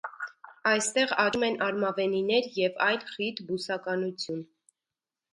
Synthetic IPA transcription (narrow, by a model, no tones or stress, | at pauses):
ɑjst̪ɛʁɑɾumɛnʔɑɾmɑvɛninɛɾjɛvɑjlχit̪busɑkɑnut͡sʰjun